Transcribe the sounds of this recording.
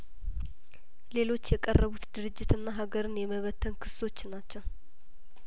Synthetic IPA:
le̞lo̞t͡ʃːjɛkʼərːəβut̪d̪ɨɾɨd͡ʒːɪt̪ɨnːaɦaɡəɾɨnjɛməβət̪ʰːənkʰɨ̥so̞t͡ʃːnat͡ʃːɛw

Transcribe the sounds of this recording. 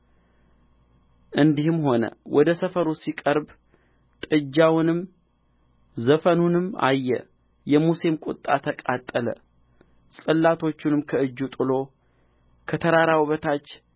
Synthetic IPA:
ʔɨnd̪ihɨmho̞nə̰wʔɔd̪əsəfəɾusikʼəɾb | t̪ʼɨd͡ʒːawnɨm | zəfənunɨma̰jːɛ̰ | jɛmusemkʷʼʊ̰t̪ʼːa̰t̪ʰəkʼat̪ʼːələ̰ | sʼɨlːat̪ʰo̞t͡ʃːunɨmkʰəɨd͡ʒːut̪ʼɨlo̞ | kʰət̪ʰəɾaɾawβət̪ʰat͡ʃː

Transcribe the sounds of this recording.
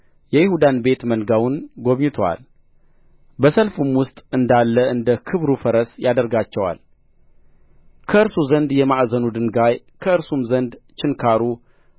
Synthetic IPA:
jɛjɪhud̪anbe̞t̪mənɡawʊnɡoβɲɪt̪ʰowa̰l | bəsəlfumwʊst̪ʼɨnd̪alːəʔɨnd̪əkʰɨβɾufəɾəsjad̪əɾɡat͡ʃːɛwa̰l | kʰəɨɾsuzənd̪jɛmaʔzənud̪ɨnɡaj | kʰəɨɾsumzənd̪t͡ʃɪnkʰaɾu

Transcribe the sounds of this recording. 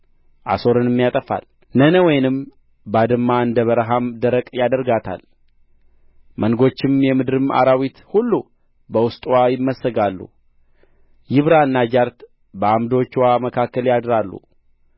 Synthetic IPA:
ʔa̰so̞ɾɨnɪmːjat̪ʼəfa̰l | nənəwɔjnɨm | bad̪ɨmːaɨnd̪əβəɾəɦamd̪əɾəkʼjad̪əɾɡat̪ʰa̰l | mənɡo̞t͡ʃːɪmjɛmɨd̪ɨɾɨma̰ɾawit̪hulːu | bəwʊst̪ʼwajɪmːəsːəɡalːṵ | jɪβɾaɨnːad͡ʒaɾt̪ | bəamd̪o̞t͡ʃːwaməkʰakːəljad̪ɾalːṵ

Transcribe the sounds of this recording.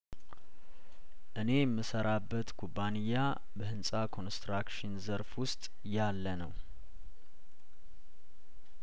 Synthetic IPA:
ʔɨne̞jɛmːɨsəɾabːət̪kʰubːanijːa | bəhɨnsʼakʰo̞nst̪ɾakʃɪnzəɾfwʊst̪ʼ | jalːənəw

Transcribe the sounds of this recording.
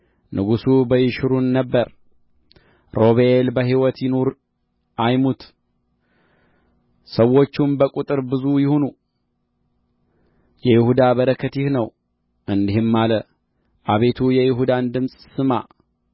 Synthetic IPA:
nɨɡusubəjɪʃɾunːəbːəɾ | ɾo̞βeelbəɦiwɔt̪jɪnoɾ | ʔajmut̪ | səwːo̞t͡ʃːumbəkʼut̪ʼɨɾbɨzujɪhonu | jɛjɪhud̪aβəɾəkʰːət̪jɪhnəw | ʔɨnd̪ihɪmːalə | ʔaβe̞t̪ʰujɛjɪɦud̪and̪ɨmsʼsɨma̰

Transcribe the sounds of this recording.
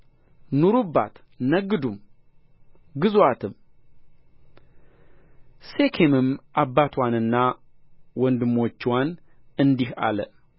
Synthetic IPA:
nuɾubːa̰t̪ | nəɡɨd̪um | ɡɨzwat̪ʰɨm | se̞kʰemɨmʔabːat̪ʰwanɨnːa | wɔnd̪ɨmːo̞t͡ʃːwanɨnd̪iha̰lə

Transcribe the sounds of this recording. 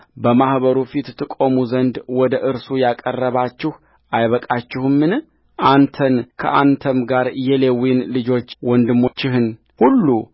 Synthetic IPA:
bəmahβəɾufit̪t̪ʰɨkʼo̞muzənd̪wɔd̪əʔɨɾsujakʼərːəβat͡ʃːɪh | ʔajβəkʼat͡ʃːɪhɨmːɨn | ʔant̪ʰənkʰə̰ʔant̪ʰəmɡaɾjɛlewinlɨd͡ʒo̞t͡ʃːwɔnd̪ɨmːo̞t͡ʃːɪhɨn | hulːu

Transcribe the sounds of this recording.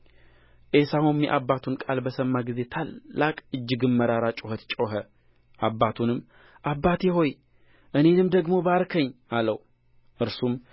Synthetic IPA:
ʔesahumjɛʔabːat̪ʰunkʼalbəsəmːaɡize̞t̪ʰalːakʼɨd͡ʒːɨɡɨmːəɾaɾat͡ʃʼohət̪t͡ʃʼoɦə | ʔabːat̪ʰunɨmː | ʔabːat̪jɛɦo̞j | ʔɨne̞nɨmd̪əɡmo̞baɾkʰəɲːaləw | ʔɨɾsum

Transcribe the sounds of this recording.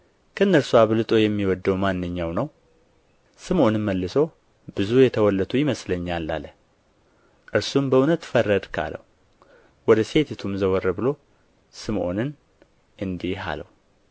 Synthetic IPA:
kʰəɨnːəɾsuaβlɨt̪ʼo̞jɛmːiwɔd̪ːəwmanːɨɲːawnəw | sɨmʔo̞nɨnməlːɨsow | bɨzujɛt̪ʰəwɔlːət̪ʰʼujɪməsləɲːalːa̰lːə | ʔɨɾsumbəunət̪fərːəd̪kʰa̰lə̰hu | wɔd̪əse̞t̪ʰet̪ʰumzəwɔrːəbɨlo̞ | sɨmʔo̞̰nɨn | ʔɨnd̪ihɦa̰lə̰hu

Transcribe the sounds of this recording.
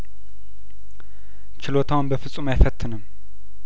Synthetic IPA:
t͡ʃɪlot̪ʰawnbəfɨsʼumajfət̪ʰːɨnɨm

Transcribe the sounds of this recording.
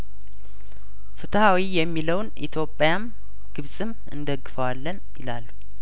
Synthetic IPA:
fɨt̪hawijɛmːiləwnʔḭt̪ʰjo̞pʼːjam | ɡ̥ɨβsʼɨm | ɨ̰nd̪əɡːɨfəwalːənjɪlalːu

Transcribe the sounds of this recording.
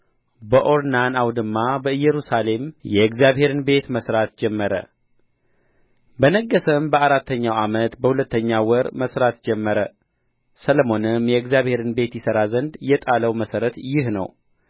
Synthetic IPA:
bəʔo̞ɾnanawd̪ɨmːabəɨjːɛɾusale̞mjɛɡzjaβhe̞ɾɨnbe̞t̪məsɾat̪d͡ʒɛmːəɾə̰ | bənəɡːəsəmbəaɾat̪ːəɲːawamət̪bəhulət̪ːəɲːawəɾməsɾat̪d͡ʒɛmːəɾə | sələmo̞nɨmjɛɨɡzjaβhe̞ɾɨnbe̞t̪jɪsəɾazənd̪jɛt̪ʼaləwməsəɾət̪jɪhnə̰w

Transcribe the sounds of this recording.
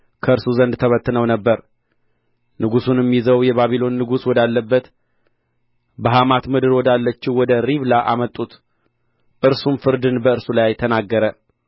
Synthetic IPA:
kʰəɨɾsuzənd̪t̪ʰəβət̪ːɨnəwnəbːəɾ | nɨɡusunjɛmːizəwjɛβaβilo̞nːɨɡuswɔd̪alːəbːət̪ | bəɦamat̪mɨd̪ɨɾwɔd̪alːət͡ʃːɪwɔd̪əɾiβlaʔamət̪ʼːut̪ | ʔɨɾsumfɨɾd̪ɨnbəɨɾsulajt̪ʰənaɡːəɾə

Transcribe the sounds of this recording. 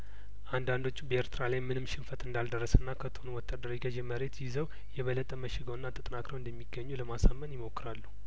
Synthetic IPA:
ʔand̪and̪o̞t͡ʃːubəeɾt̪ʰɨɾalajmɨnɨmʃɪnfət̪ɨnd̪ald̪ərːəsənːakʰət̪ʰəhonuwɔt̪ʰːad̪ːəɾjɡəd͡ʒeməɾe̞t̪jɪzəw | jɛβələt̪ʼːəməʃɪɡəwɨnːat̪ʼɨt̪ʼnakɾəwɨnd̪əmːiɡːəɲːuləmasamːənjɪmo̞kːɨɾalːu̥

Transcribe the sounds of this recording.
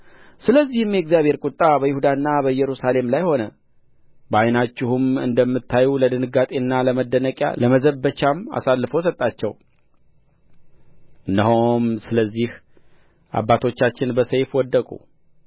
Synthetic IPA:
sɨləzːihɨmjɛɡzjaβhe̞ɾkʼut̪ʼːabəjɪhud̪anːabəjɛɾusale̞mlajho̞nə | bəajnat͡ʃːɪhumɨ̰nd̪əmːɨt̪ʰːajuləd̪ɨnɨɡat̪ʼe̞nːaləməd̪ːənəkʼja̰ləməzəbːət͡ʃama̰salːɨfos̬ət̪ʼːat͡ʃːɛw | ʔɨndəɦomsɨləzːih | ʔa̰bːat̪ʰo̞t͡ʃːat͡ʃːɪnbəsejfwɔd̪ːəkʼṵ

